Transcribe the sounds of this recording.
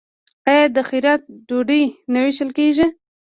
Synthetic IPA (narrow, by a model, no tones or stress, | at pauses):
ajɑd̪əxiɾat̪̚ɖoɖinawiʃəlkeʒi